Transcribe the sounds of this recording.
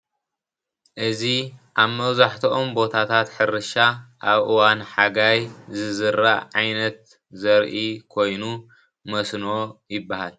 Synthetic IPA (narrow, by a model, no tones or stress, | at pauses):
ʔɨziʔaβmɐβzaħt̪ʰiʔombo̞t̪ʰat̪ʰat̪ħɨɾɨʃaʔaβʔɨwanħaɡajzɨzɨɾaʕajnɐt̪̚ | zɐɾʔikʰo̞jnu | mɐsnojɪbːahal